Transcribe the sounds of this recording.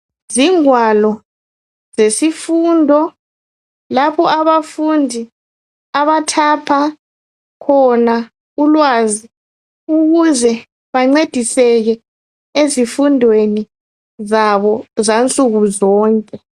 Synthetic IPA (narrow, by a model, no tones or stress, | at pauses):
ziŋwalɔ | zesifuːndʱɔ | lapʰɔʔaβafundʱi | aβatʰapʰa | kʰɔna | ulwazi | uɣuzɛ | βaŋ͡ǀed̥ʱisɛɣɛ | ezifundʱweni | zaβɔzant͡sʼuɣuzɔːŋkʼɛ